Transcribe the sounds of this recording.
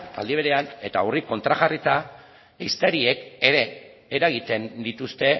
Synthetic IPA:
t̪a̰ld̪iβe̞ɾe̞ane̞t̪auriko̞nt̪ɾaɣarit̪a | ist̪eɾie̞ke̞ɾe̞ː | ɾaɣ̞it̪e̞nd̪it̪ust̪e̞

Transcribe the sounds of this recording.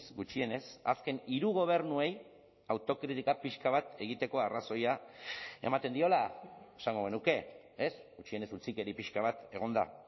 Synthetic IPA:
sɡut͡ʃie̞ne̞sa̰ske̞niɾuɣ̞o̞β̞e̞ɾnue̞j | awt̪o̞kɾit̪ikapiʃkaβ̞at̪e̞ɣ̞it̪e̞ko̞araso̞jae̞̰mat̪e̞nd̪io̞lae̞saŋɡo̞ɣ̞e̞nuke̞ | esɡut͡ʃie̞ne̞sut͡sike̞ɾipiʃkaβ̞at̪e̞ɣ̞o̞nd̪a̰

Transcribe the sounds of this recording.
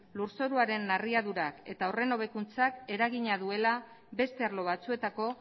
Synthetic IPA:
luɾso̞ɾuaɾe̞nːariaðuɾake̞̰t̪aore̞no̞β̞e̞kunt͡sake̞ɾaɣiɲaðue̞la | βe̞st̪e̞aɾlo̞β̞at͡sue̞t̪ako̞

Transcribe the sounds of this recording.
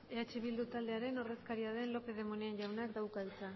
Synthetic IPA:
e̞at͡ʃeβild̪ut̪ald̪e̞aɾe̞no̞re̞skaɾiað̞e̞nlo̞pe̞ð̞e̞mo̞nienʝawnakd̪awkaut͡sa

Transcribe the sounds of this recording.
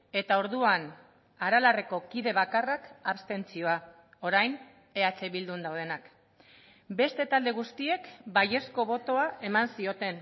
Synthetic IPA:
e̞t̪ao̞ɾðuan | aɾalareko̞kiðe̞βakarakaβst̪e̞nt͡sio̞a | o̞ɾajn | e̞at͡se̞βild̪und̪awð̞e̞nak | be̞st̪e̞t̪ald̪e̞ɣ̞ust̪ie̞kbaje̞sko̞βo̞t̪o̞ae̞mansio̞t̪e̞n

